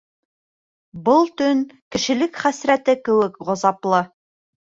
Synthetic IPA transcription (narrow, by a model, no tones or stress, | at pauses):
bɤlˠt̪ɵŋkɘ̆ʃɘ̆lɘkχæsɾæt̪ɘkɘ̆wɘkʁŏzɑplˠɤ